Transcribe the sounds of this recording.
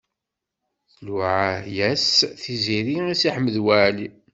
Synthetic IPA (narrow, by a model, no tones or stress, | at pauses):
θluʕajæsθiziɾiisiħmːəðwæʕli